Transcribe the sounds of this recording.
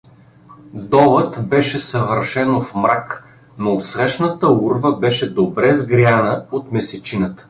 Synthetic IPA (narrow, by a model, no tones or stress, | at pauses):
d̪ɔlˠət̪bɛʃɛsɐvəɾʃɛnofmɾak | noːt̪sɾɛʃnət̪əuɾvəbɛʃɛd̪obɾɛzɡɾjanəot̪mɛsɛt͡ʃinət̪